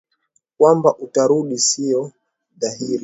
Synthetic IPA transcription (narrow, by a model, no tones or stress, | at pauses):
kwambaʔutaɾuɗisijɔ | ðahiɾi